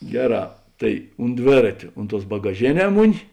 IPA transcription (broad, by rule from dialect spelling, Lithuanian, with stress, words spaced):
ˈɡʲæːˌrɑː ˈtɐɪ ʊnt ˈdʲʋʲeːrɐtʲoː ˈʊnt ˌtuɔs bɐɡɐˈʒʲeːˌnʲɛː ˈmʊˌnʲɪ